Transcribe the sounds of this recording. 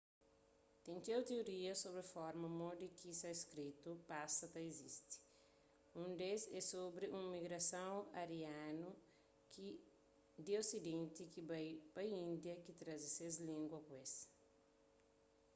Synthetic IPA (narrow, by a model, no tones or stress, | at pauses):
t̪ẽnt̪ewt̪eoɾiɐsobɾefɔɾmɐmod̪ikisaeskɾit̪upasɐt̪ɐezist̪i̥ | ũnd̪esɛsobɾiʔũmiɡɾɐsɐ̃w̃ɐɾianu | ki | d̪iosid̪ẽnt̪ikibajpɐjĩnd̪jɐkit̪ɾazisezlĩŋɡwɐkwes